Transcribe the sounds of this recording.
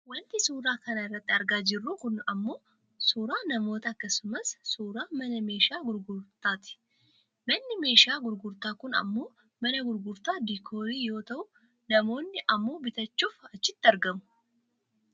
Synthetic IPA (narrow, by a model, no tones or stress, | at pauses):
wɔnt̪ɪsuːɾaːkɐnɐɪrːɐt̪ːɪɐɾɡaːd͡ʒɪrːuːkʊnɐmːoː | suːɾaːnɐmo̞ːt̪ɐɐkːɐsʊmɐsːuːɾaːmɐnɐme̞ːʃaːɡʊɾɡʊɾt̪aːt̪ɪ̥ | mɐnːɪme̞ːʃaːɡʊɾɡʊɾt̪aːkʊnɐ̰mːoː | mɐnɐɡʊɾɡʊɾt̪aːd̪ikʰo̞ːɾiːjo̞ːt̪ɐʊ | nɐmo̞ːnːɪʔɐmːoːbɪt̪ɐt͡ʃːuːfɐt͡ʃːɪt̪ːɐɾɡɐmʊ̥